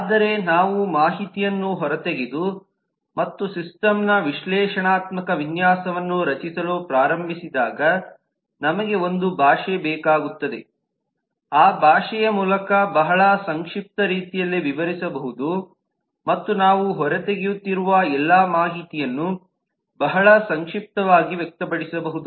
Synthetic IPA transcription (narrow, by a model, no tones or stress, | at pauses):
aːd̪ɐɾe̞naːʋumaːɦit̪ijɐnːuɦɔɾɐt̪eɡed̪u | mɐt̪ːusisʈɐmnɐʋiʃlɛːʂɐɳaːt̪mɐkɐʋinjaːsɐʋɐnːuɾɐt͡ʃisɐlupɾaːɾɐmbʱisid̪aːɡɐ | nɐmɐɡe̞o̞nd̪ubʱaːʂɛbɛːkaːɡut̪ːɐd̪e̞ | aːbʱaːʂɛjɐmuːlɐkɐbɐɦɐɭɐsɐŋkʂip̚t̪ɐɾiːt̪ijɐlːiʋiʋɐɾisɐbɐɦud̪u | mɐt̪ːunaːʋuɦɔɾet̪eɡijut̪ːiɾuʋɐɛlːaːmaːɦit̪ijɐnːu | bɐɦɐɭɐsɐŋkʂip̚t̪ɐʋaːɡiʋjɛk̚t̪ɐpɐɽisɐbɐɦud̪u